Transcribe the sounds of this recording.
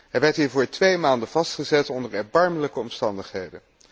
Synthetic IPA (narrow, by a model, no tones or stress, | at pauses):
ɦɛjʋɛɹtɦiːɹvʊːɹtʋejmaːndəv̥ɑstχəzɛtɔndəɹɛɹbɑɹmələkəɔmstɑndəχɦejdən